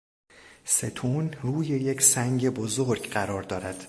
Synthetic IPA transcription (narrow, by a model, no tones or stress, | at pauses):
se̞t̪ʰuːnruːjejecʰsæŋɟe̞bozoɾɡɢæɾɒːɾd̪ɒːɾæd̪̥